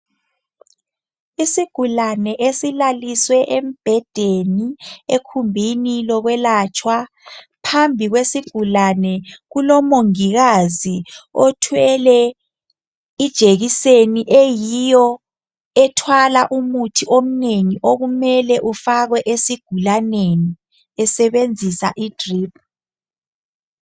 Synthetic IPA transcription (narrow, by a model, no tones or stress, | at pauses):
isiɡ̥ʱulanɛʔesilaliswɛʔem̩b̥ʱɛd̥ʱeniekʰumbʱinilɔɣwɛlat͡ʃʼwa | pʰambʱiɣwesiɡ̥ʱulanɛɣulɔmoŋiɣaziɔtʰwɛlɛ | id̥ʒ̥ʱeɣiseniʔejijɔ | ɛtʰwalaʔumutʰiʔom̩neŋiʔoɣumɛlɛʔufaɣwɛʔesiɡ̥ʱulaneni | ɛsɛβend͡zʱisa̰ʔid̥riːp̚ʰ